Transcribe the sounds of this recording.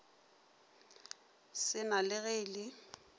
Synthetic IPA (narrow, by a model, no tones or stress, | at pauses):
sɪnalɪɣeːlɪ